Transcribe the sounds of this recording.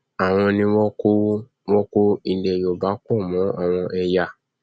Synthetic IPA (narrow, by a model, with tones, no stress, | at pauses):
a˨w̃ɔ̃˧nĩ˧wɔ˦ko˦ | wɔ˦ko˦i˧˨dɛ˨jo˨ba˨˦kɔ˦˨mɔ̃˨˦a̰˦˨w̃ɔ̃˧ʔɛ˧ja˨